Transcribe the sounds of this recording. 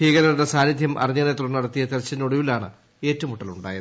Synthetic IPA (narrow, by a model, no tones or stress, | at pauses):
iːɣɐɾɐɾɽesaːnid̪ʱjɐmʔɐ̰riɲːɐnet̪ːurɐnːɐɽɐt̪ːijɐt̪eɾɐt͡ɕːɐnoɽuʋilaːɳɨ̰ | e̞ːtːɐʋɐmuʈːɐluɳɖa̰ːjɐðɨ